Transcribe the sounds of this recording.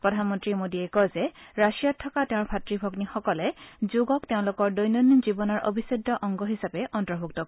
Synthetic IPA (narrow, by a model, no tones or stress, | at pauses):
pɹɔdʱanmɔntɹimodiɛkɔzɛɹasijatʰːɔkateʊ̃ɹbʱatɹibʱɔɡnixɔkɔlɛzoɡɔk̚teʊ̃lʊkɔɹdojnonizibɔnɔɹʔo̰bʱisidːɔʔɔŋɡɔɦisapɛʔɔntɹɔbʱuk̚tɔ